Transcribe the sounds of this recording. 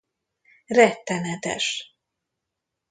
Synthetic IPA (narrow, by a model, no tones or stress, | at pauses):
rɛt̪ːɛnɛt̪ɛ̰ʃ